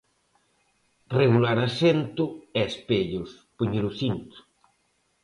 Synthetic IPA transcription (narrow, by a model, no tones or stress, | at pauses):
reɣulaɾasent̪ʊɛspeʎʊspuɲeɾuθint̪ʊ̥